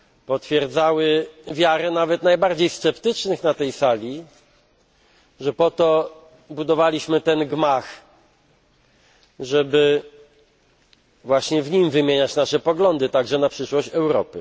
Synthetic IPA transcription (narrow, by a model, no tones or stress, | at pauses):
pɔt̪fʲjɛɾd̪zawɘvʲjaɾɛnavɛt̪najbaɾd͡ʑejst̪sɛpt̪ɘt͡ʂnɘxnat̪ɛjsalʲi | ʐɛpɔt̪ɔ | bud̪ɔvalʲiɕmɘt̪ɛnɡmax | ʐɛbɘ | vwaɕɲɛvɲimvɘmʲjeɲat͡ɕnaʂɛpɔɡlɔnd̪ɘt̪aɡʐɛnapʂɘʂwɔɕt͡ɕɛwɾɔ̰pɘ̰